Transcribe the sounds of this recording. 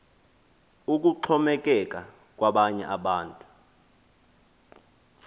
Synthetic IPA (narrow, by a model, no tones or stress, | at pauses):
uk̬uǃʰɔmɛk̬ʼɛk̬ʼa | k̬ʼwaɓaɲɛ̰ʔaɓaːntʼu̥